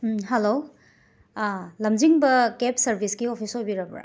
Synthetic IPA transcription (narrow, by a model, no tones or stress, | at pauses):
ɦelo | lɐmd͡ʒiŋbɐkepsɐɾbʱiskiopʰisojbiɾɐbɾa̰